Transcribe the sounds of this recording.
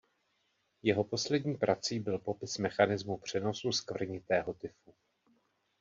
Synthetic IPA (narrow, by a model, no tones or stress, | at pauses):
jɛɦo̞po̞slɛdɲiːpɾʔat͡siːbɪlpopɪsmɛxanɪzmupr̝̥ɛno̞suskvr̩ɲɪt̪ɛːɦo̞t̪ɪfu